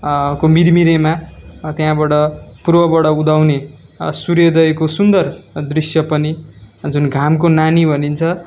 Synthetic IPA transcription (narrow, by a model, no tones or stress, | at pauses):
komiɾmiɾemat̪jãbaʈʌpurbʌbaɽʌud̪awne | suɾjed̪ʌekosund̪ʌrd̪risjʌpʌnid͡zunɡʱamk̬onanibʱʌnint͡sʰʌ